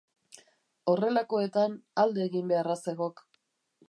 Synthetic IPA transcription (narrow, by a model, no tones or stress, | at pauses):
o̞re̞lako̞e̞t̪anald̪e̞ːɣimbe̞arase̞ɣo̞k